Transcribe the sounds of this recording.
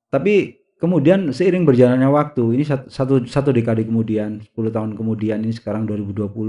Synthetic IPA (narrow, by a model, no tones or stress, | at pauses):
t̪api | kəmudiansəiɾɪŋbərd͡ʒalanɲawak̚t̪uinisasat̪usat̪̬udekadikəmudianspuluht̪aɦʊnkəmudianinisə̥kaɾaŋduaɾibuduapulʊ